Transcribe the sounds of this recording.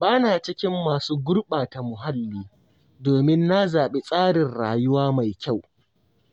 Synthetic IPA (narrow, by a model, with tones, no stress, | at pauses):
baː˦naː˨t͡ʃɪ˦kʲɪ˦mːaː˨suː˦ɡʷʊ˦ɽɓaː˨ta˨mʊ˨ɦa˦lːiː˦ | doː˨mɪ˦nːa˦zaː˨ɓe˦sʼaː˦ɽɪ˨nɽaː˨jʊ˦waː˦ma˨jkʲa˦˨w